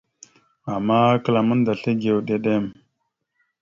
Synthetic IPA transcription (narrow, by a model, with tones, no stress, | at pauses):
a˨mːa˦kə˨la˨mə˦nda˨ɬe˦ɡe˨wɗe˨ɗe˦˨m